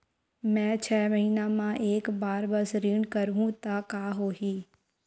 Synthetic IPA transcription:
mɛ̃ːt͡ʃʰɛːməɦiːnamãʔeːkbaːɾbɐsɾiːɳɖkəɾɦũt̪akaːɦoːɦiː

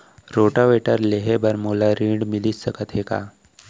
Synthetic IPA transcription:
ɾoːʈaʋeːʈəɾleɦebəɾmoːlaɾĩːɖmɪlisəkət̪ɦeːka̰ː

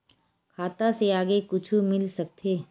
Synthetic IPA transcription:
kʰaːt̪aseaːɡekʊt͡ʃʰumɪlsɐk̚t̪ʰeː

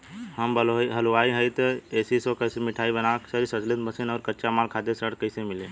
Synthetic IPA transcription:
ɦəmbəloiɦəlʋaːiɦəɪt̪eːsisokəɪsemɪʈʰaːibənaksəɾisəd͡ʒlɪt̪bəsenɔːɾkəːt͡ʃamaːlkʰaːd̪esəɽkəɪsemɪle

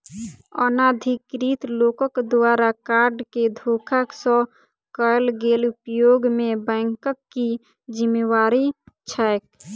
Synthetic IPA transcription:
ɔ̰nad̪ʱikɾiːt̪loːkəkd̪waːɾakaːɾɖked̪ʱoːkʰaksɔ̃ | kəlɡelʊpjoɡmẽbɛ̃ːŋkəkːi | d͡ʒimːewaːɾit͡ʃʰɛk

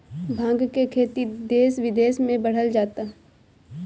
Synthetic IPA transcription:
bʱãːŋɡkekʰeːt̪id̪eːsʋɪd̪eːsmẽbɐɽ̤əld͡ʒaːt̪aɦ

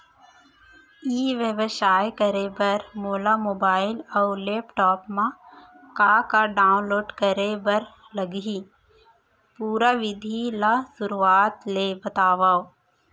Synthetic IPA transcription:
iːʋebʃaːjkəɾebɐɾmoːlamoːbaːɪlɔːleːpʈɔːpmã | kakaɖaːʊ̃nloːɖkəɾebɐɾ | lɐɡi | puːɾaʋɪd̪ʱilasʊɾuaːt̪leːbət̪aːʋaːo

